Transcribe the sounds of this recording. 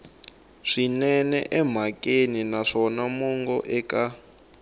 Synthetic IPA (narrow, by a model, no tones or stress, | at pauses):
ʂinɛnɛ̰ʔɛm̤akʼeninaʂɔnamuŋɡɔʔɛka